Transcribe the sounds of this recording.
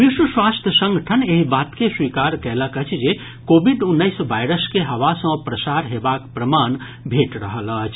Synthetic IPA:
biswəswast̪ʰjəsə̃ŋɡʱəʈʰəneɦibat̪keswikaɾkɛləkət͡ʃʰd͡ʒe | kobʱiɖunːəɪsʋajɾəskeɦəʋasə̃pɾəsaɾɦebakpɾəman | bʱeʈɾəɦələt͡ʃʰ

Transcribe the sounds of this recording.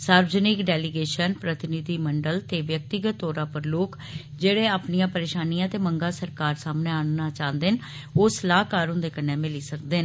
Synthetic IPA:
saːɾʋzənɪkɖɛːlɪɡeːʃənpɾət̪ɪnɪd̪iːməɳɖəlt̪eːʋjək̚t̪ɪɡət̪ːɔːɾãːpəɾloːk | d͡ʒeːɽeːaːpnɪjãːpəɾeːʃaːnijãːt̪eːməŋɡaːsəɾkaːɾsaːmnẽːannaːt͡ʃãːnd̪en | oslaːɦkaːɾɦʊ̃nd̪eːkənːeːmɪliːsək̚d̪eːn

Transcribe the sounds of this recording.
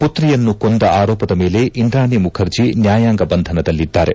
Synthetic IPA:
put̪ɾijɐnːukond̪ɐaːɾɔːpɐd̪ɐme̞ːle̞ʔind̪ɾaːnemukʰɐɾd͡ʒinjaːjaːŋɡɐbɐnd̪ʱɐnɐd̪ɐlːid̪ːaːɾe̞̰

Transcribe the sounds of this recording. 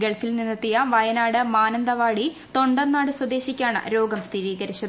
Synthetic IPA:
ɡeɭfilninːɐt̪ːijɐʋɐjɐnaːɽɨmaːnɐnd̪ɐʋaːɽi | t̪o̞ɳɖɐnːaːɽɨswɐd̪e̞ːɕikʲːaːɳɨ̰ɾo̞ːɡɐmst̪ʰiɾiːɡɐɾit͡ɕːɐð

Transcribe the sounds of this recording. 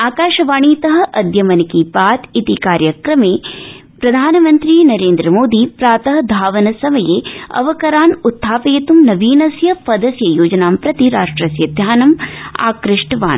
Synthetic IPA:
aːkaːʃɐʋaːɳiːt̪ɐɦɐ̆ʔɐd̪jɐmɐnikiːpaːt̪it̪ikaːɾjɐkɾɐmeː | pɾɐd̪ʱaːnɐmɐnt̪ɾinɐɾeːnd̪ɾɐmoːd̪iːpɾaːt̪ɐɦɐ̆d̪ʱaːʋɐnɐsɐmɐjeːɐ̰ʋɐkɐɾaːnut̪ʰːaːpɐjɐt̪umnɐʋiːnɐsjɐpɐd̪ɐsjɐjoːd͡ʒɐnaːmpɾɐt̪iɾaːʂʈɾɐsjɐd̪ʱjaːnɐma̰ːkɾɪʂʈɐʋa̰ːn

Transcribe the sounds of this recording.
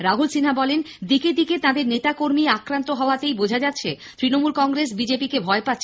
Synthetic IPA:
ɾaɦulsinabɔlen | d̪iked̪iket̪ad̪eɾnet̪akoɾmiakɾant̪oɦɔoat̪ejbod͡ʑʱad͡ʑat̪ːɕʰe | t̪ɾinomulkɔŋɡɾes̬bid͡ʑepikebʱɔepat̪ːɕʰe

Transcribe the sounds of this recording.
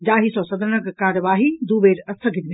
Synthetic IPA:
d͡ʒaːɦisɔːsɐd̪ʱənɐɡkaːɾəʋaːɦid̪uːʋeːɾɐsʰəɡʱɪd̪b

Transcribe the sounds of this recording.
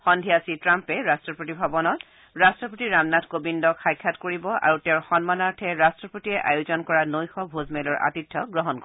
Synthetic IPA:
xɔndʱiasitɹampɛɹastɹɔpotibʱabɔnɔt | ɹastɹɔpotiɹamnatʰkobindɔkxajkʰːatkoɹibɔʔa̰ɹutɛʊɹxɔnmanaɹtʰɛɹastɹɔpotiɛʔajuzɔnkɔɹanojxɔbʱozmɛlɔɹʔa̰titʰːɔɡɹɔɦɔnk

